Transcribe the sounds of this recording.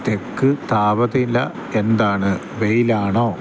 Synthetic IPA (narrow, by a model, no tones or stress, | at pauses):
t̪ekːɨt̪aːbɐðilːɐ | end̪aːɳɨ | ʋejilaːɳoː